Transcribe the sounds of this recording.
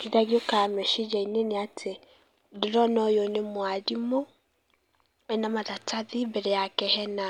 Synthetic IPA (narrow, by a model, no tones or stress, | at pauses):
kiðaɣiokamɛʃid͡ʒaineneatʰe | deɾɔnɔjonemwaɾimo | ɛnamaðatʰaðibɛɾɛjakɛhɛna